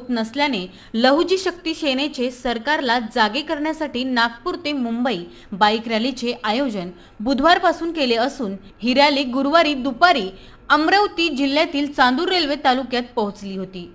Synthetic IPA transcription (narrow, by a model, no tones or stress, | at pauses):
t̪nəsljane | ləɦud͡ʑiːɕək̚t̪iːɕenet͡ɕesəɾkaɾlad͡zaɡekəɾɳjasaʈiːnak̚puɾt̪emumbəiː | baikɾjalit͡ɕeʔajod͡ʑən | bud̪ʱʋaɾpasuːnkeleəsuːn | ɦiɾjaliːɡuɾʋaɾiːd̪upaɾiː | əmɾəwt̪iːd͡ʑil̤ːjat̪iːlt͡sand̪uɾːelʋet̪alukjat̪̚pəɦut͡sliːɦot̪iː